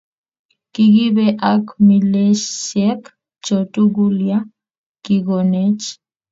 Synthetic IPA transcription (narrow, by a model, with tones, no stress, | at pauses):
ki˦ɡi˦be˦ʔakmi˨le˦ʃsjɛk | t͡ʃo˨tu˦ɡulja˦ | ki˨ɡo˨ne˦t͡ʃ